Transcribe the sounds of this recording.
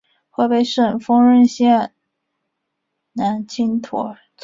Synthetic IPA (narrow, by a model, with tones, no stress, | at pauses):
xwe˥˧ɪpe˥˧˩ɪʂə˥˩nfɤ˥ŋɻə˥˧nɕjɛ˥˩n | na˧˥nt͡ɕʰi˥nt̪ʰɔ̰˧˥ | t͡s